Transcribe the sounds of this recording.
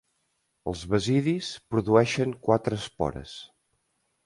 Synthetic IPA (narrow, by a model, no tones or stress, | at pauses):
əlˠzβəziðispɾuðuɛʃəŋkwat̪ɾəːspɔ̰ɾə̰s